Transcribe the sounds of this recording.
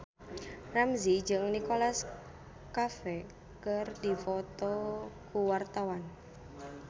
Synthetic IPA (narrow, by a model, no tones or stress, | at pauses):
ramzid͡ʒəŋnikolas | kafɛ | kərdifɔt̪ɔkuwart̪awan